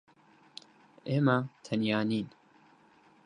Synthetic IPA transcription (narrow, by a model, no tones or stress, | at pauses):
eːmat̪ʰɐnjaːniːn